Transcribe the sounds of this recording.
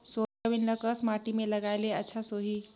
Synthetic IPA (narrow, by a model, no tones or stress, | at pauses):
soəbinləkəsmaʈimeləɡajleətːt͡ʃʰasoɦi